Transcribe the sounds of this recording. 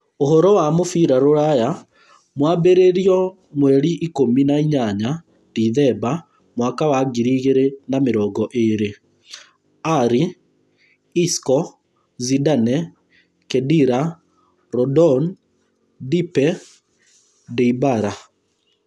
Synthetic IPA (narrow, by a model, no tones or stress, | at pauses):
ohɔɾɔwamofiɾaɾoɾaja | mwaːbeɾeɾiɔ | mwɛɾiʔikominaiɲaɲa | diðɛba | mwakawaɡiɾiɣeɾenameɾɔːɡɔʔeɾe | aɾi | skɔ | zidanɛ | kɛdiɾa | ɾɔdɔn | dipɛ | diibaɾa